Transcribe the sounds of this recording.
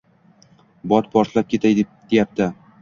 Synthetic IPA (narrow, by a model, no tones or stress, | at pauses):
bɒt̪̚pʰɒɾt̪lap̚kʲe̞t̪ʰaj̪d̪̥ejap̚t̪ɪ